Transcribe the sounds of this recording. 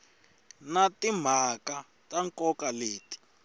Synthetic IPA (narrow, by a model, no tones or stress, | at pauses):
natim̤aka | taŋkɔkaleːti̥